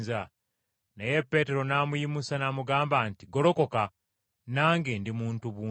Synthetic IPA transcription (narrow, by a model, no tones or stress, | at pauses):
za | naje̞pːe̞ːte̞ɾo̞namujimusanamuɡaːmbaːntiɡo̞lo̞ko̞ka | naːŋɡendimuːntuβuː